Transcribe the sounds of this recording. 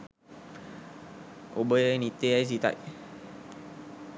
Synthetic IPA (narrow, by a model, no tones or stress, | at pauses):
obəjnit̪eajs̬it̪a̰j